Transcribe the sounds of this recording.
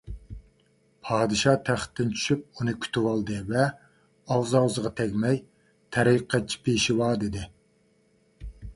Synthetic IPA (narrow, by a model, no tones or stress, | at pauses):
pʰɑːd̪ɨʃɑt̪ʰæχt̪ʰːɪnt͡ʃʰy̥ʃyp̚unɨkʲʰy̥t̪ʰɪwɑlˠd̪ɨvɛ | ɑwzɑwzəʁɑt̪ʰɛkʲmɛj | t̪ʰɛɾiqʰːɛt͡ʃʰːi̥pʰejʃiwɑːd̪ɪd̪ɪ